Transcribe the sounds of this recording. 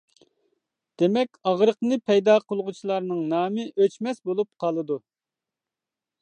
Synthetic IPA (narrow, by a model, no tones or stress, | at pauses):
d̪̥emɛkʲɑʁɾəqnɨpʰɛjd̪ɑːqʰəlˠʁut͡ʃʰilˠɑɾnɨŋnɑːmɨʔøt͡ʃmɛsbolˠup̚qʰɑlˠɨd̪u